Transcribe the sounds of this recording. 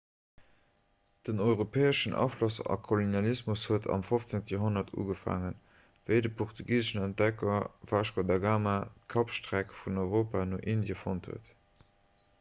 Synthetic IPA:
d̥ənɔɪʁopʰɛːəʃənʔɑ̰flosɑ̰kʰolonjɑlismushuətʰɑ̰mfoft͡seŋtəjoɦonɐtʰṵːɡəfa̰ŋən | v̥əɪdəpʰɔχtʰuɡiːzəʃənænt̚dɛkɐvaːʃkodɑɡaːmatkʰɑpʃtʁækfunɔɪʁoːpaːnoʔindjəfonthṵət

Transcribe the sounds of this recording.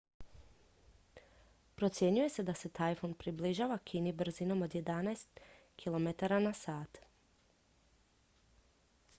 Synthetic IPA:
pɾo̞t̪sʲje̞ɲuje̞se̞d̪ase̞t̪ajfonpɾibliʒaːʋakʰiːnibr̩zino̞mo̞d̪je̞d̪anaest̪ | kʰilˠo̞met̪aɾanasaːt̪

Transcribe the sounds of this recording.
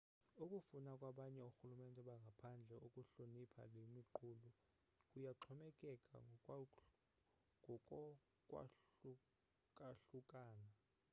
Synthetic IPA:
ukʼufunakʼwaɓaɲɛuxulumɛntʼɛɓaŋɡʱapʰand͡ɮʱɛukʼuɬonipʰa̰lwemiǃulu | kʼujaǁʰɔmɛkʼɛkʼa̰ | ŋʱɔkʼɔ | kʼwa̰ | kʼaɬukʼaːna

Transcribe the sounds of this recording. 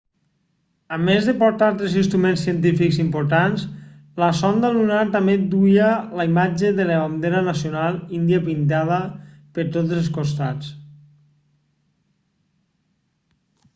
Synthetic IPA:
əmezðepoɾt̪alˠt̪ɾezinst̪ɾumẽnsiənt̪ifikzimpoɾt̪ansləsɔnd̪əlunaɾt̪amed̪ujələimad͡ʒeðeləβand̪eɾənəsionalˠind̪iapint̪að̞ə | pəɾt̪otzelˠskost̪at͡s

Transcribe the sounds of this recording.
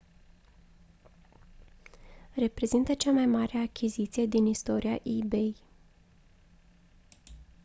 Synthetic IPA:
re̞pɾe̞zint̪ət͡ʃamajmaɾeakʲʰizit̪sije̞d̪inist̪o̞ɾʔia̰ʔibej

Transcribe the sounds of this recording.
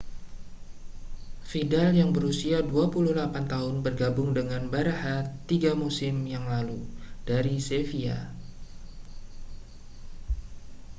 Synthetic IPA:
fidaljaŋbəɾusiaduapuluhlapant̪aɦʊnbərɡabʊŋdəŋanbaɾahat̪ːiɡamusɪmjaŋlalud̥aɾisefia̰

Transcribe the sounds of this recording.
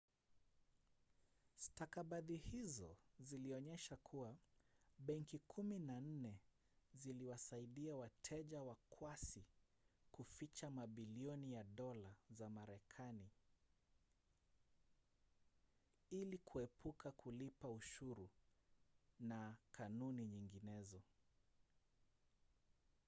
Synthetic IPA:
stakaɓaðihizɔziliɔɲɛʃakʰuwaɓɛŋkikʰuminan̩nɛ | ziliwasaiɗiawatʰɛʄawakʰwasi | kufit͡ʃamaɓiliɔnijaɗɔlazamaɾɛkʰani | ilikʰuɛpʰukakʰulipauʃuɾu | nakʰanuniɲiŋɡinɛzɔ

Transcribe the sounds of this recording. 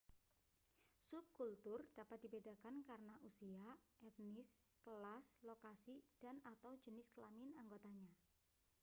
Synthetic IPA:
sʊp̚kult̪ʊrd̥apat̪̚d̥ibedakankarənaʔusiaʔɛt̪̚nɪs | kəlaslokasid̥anat̪awd͡ʒənɪskəlamɪnaŋɡot̪aɲa

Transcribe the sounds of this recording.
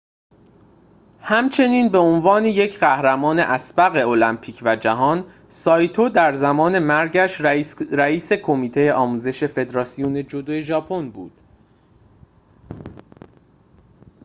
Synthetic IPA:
hæmt͡ʃʰe̞niːnbe̞onvɒːne̞je̞cʰɢæhɾæmɒːne̞ʔæsbæɣe̞o̞læmpʰiːcʰvæd͡ʒæɦɒːn | sɒːjt̪ʰod̪æɾzæmɒːne̞mæɾɟæʃɾæiːse̞kʰo̞miːt̪ʰe̞jeʔɒːmuːze̞ʃe̞fe̞d̪ɾɒːsijoːne̞d͡ʒo̞d̪oːjeʒɒːpʰo̞nbuːd̪̥

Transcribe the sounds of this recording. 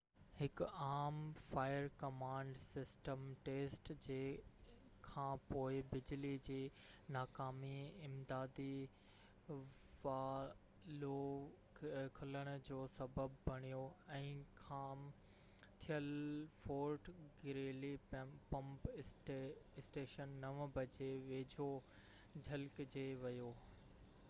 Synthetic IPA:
hɪkaːmfaːɪəɾkɐmãːɳɖsɪsʈəmʈeːsʈd͡ʑeː | kʰãːpoːɪbɪd͡ʑlid͡ʑiː | naːkaːmiɪmd̪aːd̪i | ʋaː | lo | kʰʊləɽ̃ʊ̆d͡ʑoːsɐbəbbʱɐɽ̃ijoɛ̃ːkʰam | t̪ʰijəlfoːɾʈɡɪɾeːlipɐ̃mp | ɪsʈeːʃənːɐʋbʱɐd͡ʑeʋeːd͡ʑʱo | d͡ʑʱɐlkd͡ʑeːʋɐjoː

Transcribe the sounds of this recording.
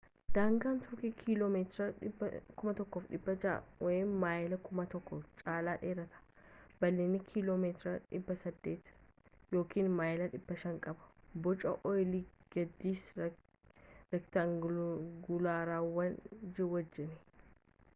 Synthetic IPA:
d̪̥aːŋɡaːnt̪ʊɾkikʰilomeːt̪ɾɐkʊmɐt̪ɔkːoːfᶑɪbːɐweːmaːjɪlɐkʊmɐt̪ɔkːɔt͡ʃʼaːlaːᶑe̞ːɾɐt̪ɐ̥ | b̥ɐlːeːnːɪkʰiloːmeːt̪ɾɐᶑɪbːɐsɐd̪ːe̞ːt̪jo̞ːkiːnmaːjlɐᶑɪbːɐʃɐŋkʼɐbɐ̥bɔt͡ʃʼɐʔɔjliːɡ̥ɐd̪ːiːs | ɾɛkt̪aŋɡʊlaːɾaːwɐnd͡ʒɪwɐd͡ʒːɪnɛ

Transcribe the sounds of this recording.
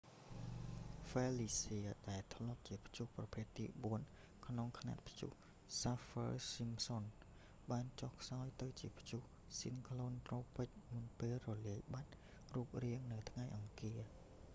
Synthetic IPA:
fɛːliːsiəɗaɛlt̪ʰlŏəp̪̚t͡ɕiəpʰt͡ɕuhprɑpʰeːt̪ːḭːɓuən | kʰnoŋkʰna̰t̪̚pʰjṵh | safə̰simson | ɓaːnt͡ɕohkʰsaɔjt̪ɨwt͡ɕiəpʰjuh | sinkʰloːnt̪roːpɨc̚munpeːlrɔliəjɓat̪̚ | ruːp̚riəŋnɨwt̪ʰŋajʔɑŋkiə

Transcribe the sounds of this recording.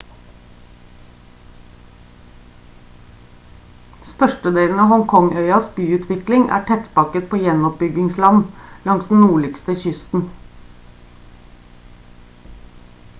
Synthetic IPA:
st̪œʃʈəd̪eːln̩ɑːʋhɔŋkʰɔŋœʏɑsbyːʉːt̪ʰʋɪklɪŋʔæ̰ːʈʰɛt̪bɑkət̪̚pʰoːjɛnɔp̚bʏɡɪŋslɑnlɑŋsd̪n̩nuːɭɪkst̪əçʏst̪n̩

